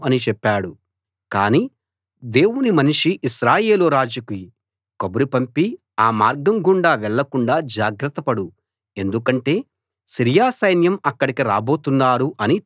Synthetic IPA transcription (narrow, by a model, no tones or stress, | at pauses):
ɐnit͡ʃɛpːaːɽu | kaːniː | d̪e̞ːwunimɐniʂiʔiʃɾaːje̞ːluɾaːd͡ʒɐkuji | kobɐɾipɐmpi | aːmaːɾɡɐmɡuɳɖaːʋɛɭːɐkuɳɖaːd͡ʒaːɡɾɐt̪ːɐpɐɽu | e̞nd̪ukɐɳʈe̞ː | siɾjaːsɐjnjɐmɐkːɐɽikiɾaːbo̞ːt̪unːaːɾuʔɐni